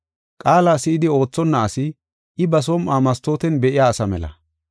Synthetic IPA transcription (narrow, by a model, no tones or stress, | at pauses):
kʼaːlaːsɪɪd̪ɪo̞ːt͡sːɔnːɐːsɪ | ʔɪbɐs̬ɔmʔaːmɐst̪oːt̪ɛnbɛʔɪjaːsɐmɛ̰lɐ̰